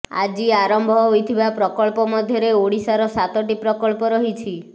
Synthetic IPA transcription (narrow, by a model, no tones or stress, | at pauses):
a̰d͡ʒiaɾɔmbʱɔɦojt̪ʰibapɾɔkɔɭpɔmɔd̪ʱjɔɾeoɽisaɾɔsat̪ɔʈipɾɔkɔɭpɔɾɔɦit͡ʃʰi